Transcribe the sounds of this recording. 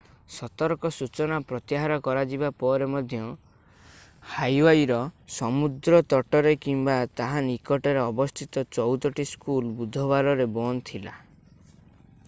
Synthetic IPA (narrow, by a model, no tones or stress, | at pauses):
sɔt̪ɔɾkɔsut͡ʃɔnapɾɔt̪jɦaɾɔkɔɾad͡ʒibapɔɾemɔd̪ʱjɔ | hajwajɾɔsɔmud̪ɾɔt̪ɔʈɔɾekimbat̪aɦanikɔʈɔɾeɔbɔst̪ʰit̪ɔt͡ʃɔwt̪ɔʈiskulbud̪ʱɔβaɾɔɾebɔnt̪ʰila̰